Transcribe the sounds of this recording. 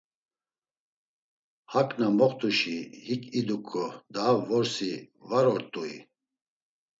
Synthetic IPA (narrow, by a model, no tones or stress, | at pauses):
hakʼnamɔχt̪ʰuʃihikʰʼid̪ukʰʼɔd̪aːvɔɾsivaɾɔɾt̪ʼui